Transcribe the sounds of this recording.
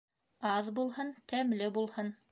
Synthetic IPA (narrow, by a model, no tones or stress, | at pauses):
ɑðbulˠhɤnt̪æmlɘbulˠhɤn